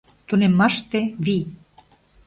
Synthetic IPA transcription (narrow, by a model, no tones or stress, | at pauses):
t̪unemːɑʃt̪eβi